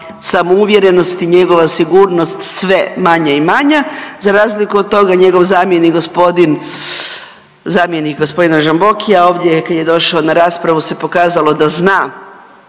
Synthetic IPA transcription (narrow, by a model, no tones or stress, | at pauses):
samouʋje̞ɾe̞no̞st̪iɲe̞ɡo̞ʋasiɡuːɾno̞st̪sʋe̞maɲaimaɲazaɾaːzlikuod̪̚t̪ːo̞ɡaɲe̞ɡo̞ʋzaːmjenikɡospod̪in | zaːmjenikɡospo̞d̪inaʒambo̞kijao̞ːʋd̪je̞kad̪je̞d̪o̞ʃaonaɾaːspɾaʋuse̞po̞kaːzalˠo̞d̪aznaː